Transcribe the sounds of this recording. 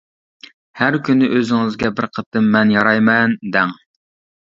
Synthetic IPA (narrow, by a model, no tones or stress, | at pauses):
hæɾkʲynɪʔøzɪŋɨzɡʲɛbɪɾqʰət̪ɨmːɛnjɑɾɑjmɛnd̪ɛŋ